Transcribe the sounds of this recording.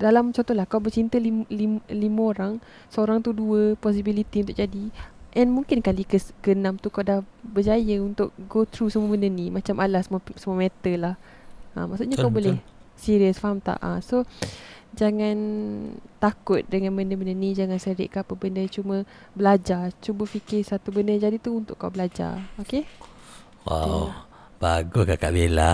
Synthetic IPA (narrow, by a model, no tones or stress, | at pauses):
dalamt͡ʃɔnt̪ɔɦlahkawbət͡ʃint̪əlilimlimə̃oɾaŋ | səoɾaŋt̪uduəpɔs̬ibilit̪iunt̪ʊk̚d͡ʒadiʔɛnmuŋkɪnkalikəɡənamt̪ukawdahbəd͡ʒajəunt̪ʊk̚ɡot̪ɾusəmuəbəndənimat͡ʃamʔalahsəmsəmuamɛt̪əlah | əma̰ʔsuʔɲakawbolɛh | siɾiəsfaɦamt̪a̰ʔaso | d͡ʒaŋãnt̪akʊt̪̚dəŋãnbəndəbəndənĩd͡ʒaŋansəɾɪ̰ʔkaapəbəndət͡ʃumə̃ | bəlad͡ʒart͡ʃubəfikɪsat̪ubəndəd͡ʒadit̪uunt̪ʊ̰ʔka̰wbəlad͡ʒa̰oke | wa̰w | b̥aɡʊskaka̰ʔbela̰